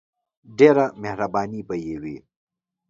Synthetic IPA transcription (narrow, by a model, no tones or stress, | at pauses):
ɖeːɾamehɾabaːnipəjewi